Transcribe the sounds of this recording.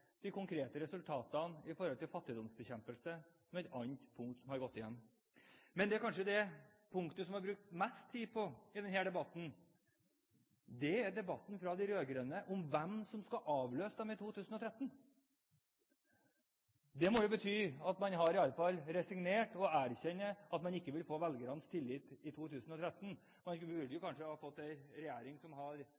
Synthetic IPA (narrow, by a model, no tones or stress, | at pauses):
d̪̥ɪkʰʊŋkʰɾeːt̪əɾɛsʉlt̪ʰɑːt̪ənɪfɔɾhɔlt̪ɪlfɑt̪ːɪd̪ɔmsbəçɛmpəlsəsɔmɛt̪ɑnt̪pʰʊŋkt̪sɔmhɑɾɡɔt̪ːɪjɛ̰n | mɛnd̪ɛæɾkʰɑnʂəd̪ɛ | pʰʊŋkt̪əsɔmhɑɾbɾʉk̚t̪mɛst̪ʰːiːpʰɔɪd̪ɛnhæːɖ̪ɛbɑt̪ːn̩ | d̪ɛæɾɖɛbɑt̪ːn̩fɾɑd̪ɪɾøːɡɾœnəʔɔmʋɛmsɔmskɑʔɑːʋløːsəd̪ɛmɪt̪ʰuːt̪ʰʉːsənɔt̪ʰɾɛt̪ːn̩ | d̪ɛmɔjʊbət̪ʰyːɑt̪mɑnɦɑɾɪɑlːəfɑlːɾɛsɪɡneːʈɔæːɾçɛnːəɑt̪mɑnɪkːəʋɪlfoːʋɛlɡəɾɑnst̪ʰɪlːɪːt̪ɪt̪ʰuːt̪ʰʉːsənɔt̪ʰɾɛt̪ːn̩ | mɑnʋɪɖəjʊkɑnʂəhɑːfɔt̪ːæɪɾɛjæːɾɪŋsɔmɦɑɾ